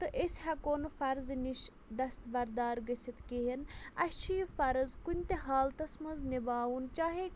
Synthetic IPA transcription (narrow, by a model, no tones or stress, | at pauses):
t̪ɨʔesʲhɐkoːnfɐɾziniʃ | d̪ɐst̪bɐɾd̪aːɾɡɐsit̪keɦinɐʃt͡ʃʰiːfɐɾɐzkunʲt̪eɦaːlt̪ɐsmɐznibaːwunt͡ʃaːɦe